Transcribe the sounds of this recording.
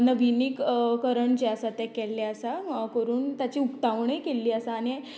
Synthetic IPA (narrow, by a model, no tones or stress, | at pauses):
nəbʱinikkəɾəɳt͡ɕeəsat̪ɛkɛlːeəsakəɾuːnt̪jat͡ɕiːukt̪aʋɳekelːiːəsaːñ